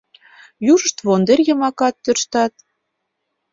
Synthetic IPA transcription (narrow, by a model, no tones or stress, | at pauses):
juʒə̆ʃt̪βond̪erʲjɤ̆mɑkɑt̪ːørʃt̪ɑt̪̚